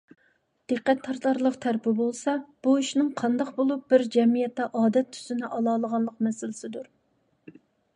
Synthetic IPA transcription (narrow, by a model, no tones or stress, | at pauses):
d̪̥ɨqːɛt̪ʰːɑɾt̪ʰɑɾlˠəqt̪ʰæɾpɪbolˠsɑb̥uiʃnɪŋqʰɑnd̪ɑqbolˠup̚b̥ɪɾd͡ʒɛmijɛt̪ːɛʔɑːd̪ɛt̪ʰːy̥zɪnɪʔɑlˠɑːlˠəʁɑnlˠəqmɛsɪlɪsɪd̪uɾ